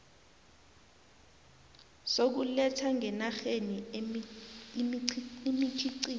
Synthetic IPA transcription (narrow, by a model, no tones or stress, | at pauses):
sok̬ulɛtʰaŋʱɛnaxeni | imit͡ʃʰiǀiː